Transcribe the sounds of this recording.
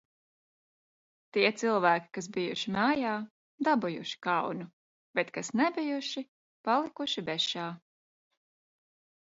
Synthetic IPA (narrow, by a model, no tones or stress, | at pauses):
t̪iɛt̪silˠvæːkʲi̥kas̬bijṵʃimɑːjaː | d̪abujṵʃi̥kawnu | b̥ɛt̪kasnɛbijuʃi | palˠikuʃibɛʃaː